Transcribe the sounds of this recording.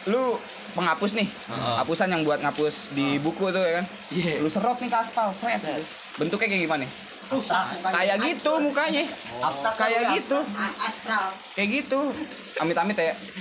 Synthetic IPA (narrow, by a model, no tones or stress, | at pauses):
lu | pəŋapʊsnɪh | apusanjaŋbuat̪̚ŋapʊsdibukuit̪ujakan | lusəɾɔt̪̚nɪkaspalsɾɛs | bənt̪ʊkːajkajɡimanɛ | usakajaɡit̪umukaɲa | kajaɡit̪usal | kajaɡit̪u | amɪt̪amɪt̪aja